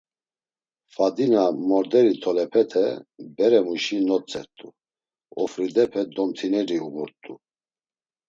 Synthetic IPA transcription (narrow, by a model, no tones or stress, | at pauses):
fad̪inamɔɾd̪ɛɾit̪ʰɔlɛpʰɛt̪ʰɛbɛɾɛmuʃinɔt͡sʼɛɾt̪ʼu | ɔfɾid̪ɛpʰɛd̪ɔmt̪ʰinɛɾiubuɾt̪ʼu